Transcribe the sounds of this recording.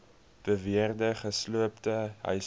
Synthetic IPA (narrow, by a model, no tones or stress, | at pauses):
b̥əviərdəχəsluəptəɦœ̰